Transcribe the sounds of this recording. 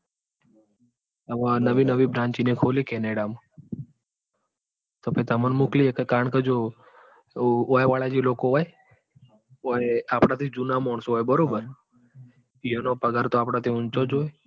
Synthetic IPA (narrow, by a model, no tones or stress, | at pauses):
əʋanəʋinəʋibɾãːɲt͡ʃinekʰolikɛneɽama | t̪opet̪əmanmukliekəkaɳkəd͡ʒo | ojʋaɭad͡ʒilokoɦoj | ojapɽat̪ʰid͡ʒunamɔɳsoɦojbəɾobəɾ | ijonopəɡaɾt̪oaːpɽat̪ʰiʊnt͡ʃod͡ʒoːje